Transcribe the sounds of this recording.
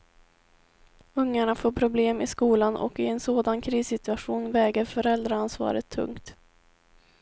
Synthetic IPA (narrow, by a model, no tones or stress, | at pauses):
ɵŋːaɳafoːɾpʰɾʊbleːmɪskuːlanʔɔ̰kɪɛnsoːd̪ankʰɾiːsɪt̪ɵaɧuːnvɛːɡaɾfœɾɛld̪ɾaansvɑ̰ːɾət̪ʰːɵ̰ŋkt̪